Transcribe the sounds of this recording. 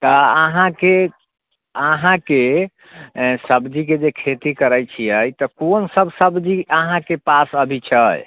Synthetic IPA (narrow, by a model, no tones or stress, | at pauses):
t̪ɔəɦãke | əɦãke | səbd͡ʒik̬ed͡ʒekʰet̪ikəɾəjt͡ʃʰiəjt̪ɔkonsəbʱsəbd͡ʒiəɦãkepasəbʱit͡ʃʰəj